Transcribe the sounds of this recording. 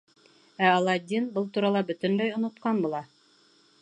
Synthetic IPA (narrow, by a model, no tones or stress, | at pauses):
æɑlˠɑd̪ʲːinbɤlˠt̪uɾɑlˠɑbɵ̆t̪ɘ̆nlæjŏnŏt̪qɑnbŭlˠɑ